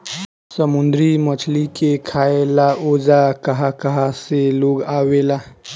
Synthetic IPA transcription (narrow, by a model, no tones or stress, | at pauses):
səmʊnd̪ɾimət͡ʃʰlikekʰaːelaoːd͡ʒakɐɦakɐɦaseloːɡaːwelaː